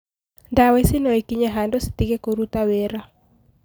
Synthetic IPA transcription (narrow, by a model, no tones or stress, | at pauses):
ndawisinɔekiɲaɦandɔsi̥t̪ikekoɾut̪aweɾa